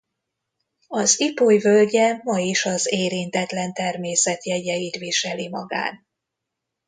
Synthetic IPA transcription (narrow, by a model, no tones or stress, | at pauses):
ɒzipojvølɟɛmːɒjiʃɒzeːɾint̪ɛt̪lɛnt̪ɛrmeːsɛt̪jɛɟɛjit̪viʃɛlimɒɡa̰ːn